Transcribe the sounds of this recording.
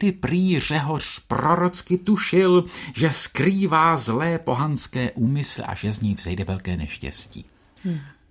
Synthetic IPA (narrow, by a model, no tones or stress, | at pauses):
dɪpɾiːr̝ɛɦorpɾo̞ɾo̞t͡skɪt̪uʃɪlʒɛskɾiːvaːzlɛːpo̞ɦanskɛːʔuːmɪslɪ̰ʔa̰ʒɛzɲɛjvz̥ɛjdɛvɛlkɛːnɛ̰ʃcɛ̰scḭː